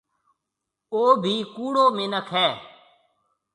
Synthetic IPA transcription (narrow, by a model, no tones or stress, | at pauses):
oːbʱiːkuːɽoːmẽːnəkʰɛː